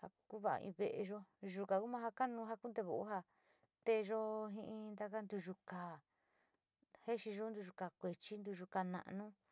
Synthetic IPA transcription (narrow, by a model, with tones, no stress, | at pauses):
ha˧ku˦βa˧ʔa̰˧ḭ̃˧βe˧ʔḛ˧ʒo˧ʒu˧ka˨ku˦mã˦˧ɦa˧ka˦nũ˧ɦa˧ku˦d̪e˧βo˨ʔo˦ɦa˧ | t̪e˧ʒo˦ɦĩ˧ʔĩ˧nd̪a˧ka˦nd̪u˧ʒu˧ka˨ | he˦ʃi˧ʒo˦nd̪u˧ʒu˧ka˨kʷe˨t͡ʃi˦nd̪u˧ʒu˧ka˧nã̰˧ʔnũ˦